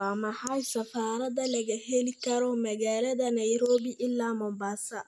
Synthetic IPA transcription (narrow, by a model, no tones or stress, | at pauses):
amɐħajsɐfaːɾɐd̪ɐlɐɣɐhelikɐɾɔmɐɣaːlɐðɐnɐjɾoːbiʔɪlːaːmɔmbaːsɐ